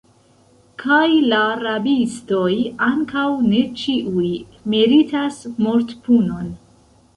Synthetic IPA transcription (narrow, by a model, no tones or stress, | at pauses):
kʰajlaɾabisto̞jaŋkawne̞t͡ʃiʔuj | miɾitasmo̞ɾtpuno̞n